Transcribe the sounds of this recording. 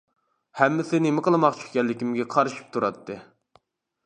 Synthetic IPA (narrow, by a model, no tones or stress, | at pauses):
hɛmːɪsɪnemɪqəlˠɨmɑqt͡ʃʰy̥χkʲɛlːɪkʲimɡʲɛqʰɑɾɨʃi̥p̚t̪ʰuɾɑt̪ʰːɨ